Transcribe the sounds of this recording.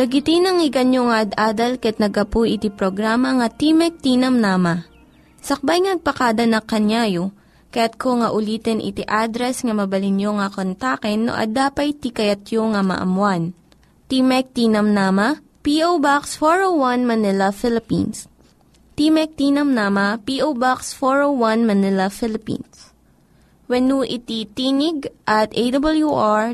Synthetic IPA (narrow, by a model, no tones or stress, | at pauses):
lɐɡɪt̪ɪnɐŋɪɡɐnjoŋaʔɐd̪ʔaːd̪ɐlkɐɛt̪̚nɐɡɐpujʔɪt̪ipɾoɡɾaːmɐŋɐt̪imɛk̚t̪inɐmnamɐ | sɐk̚bajŋɐnɐɡ̚pɐkaːd̪ɐnɐkɐnjaːjo | kɐjat̪̚koŋɐʔʊliːt̪ɛnʔɪ̰t̪iʔad̪ɾɛsŋɐmɐbɐlɪnjoŋɐkont̪akɛnːo̰ʔɐ̰d̪aːpɐjt̪ikɐjɐt̪joŋɐmɐ̰ʔɐ̰mwan | t̪imɛk̚t̪inɐmnamɐ | piʔowbaksfoɹowwɐnmɐnɪlɐfɪlɪpḭns | t̪imɛk̚t̪inɐmnaːmɐpiʔowbaksfoɹowwɐnmɐnɪlɐfɪlɪpḭ̃ns | wɐnuʔɪt̪it̪iːnɪɡ̚ʔɐt̪ed̪ɐbɐljuʔaɹ